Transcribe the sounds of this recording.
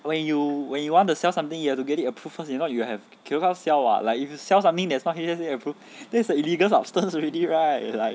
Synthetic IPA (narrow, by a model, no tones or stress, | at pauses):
wɛ̃njuwɛ̃njuwɔ̃ntusɛlsãmt̪ĩŋjuhɛftuɡɛtitəpʰɹufəsɛ̃nɔtjuhɛv | kʰikasɛlwa̰laɪkifjusɛlsãmt̪ɪ̃ŋdɛtsnɔt̚hiɛsiəpʰɹuf | dɛsəiliɡəlsa̰bstə̃nsɹiliɹaɪt̚laɪk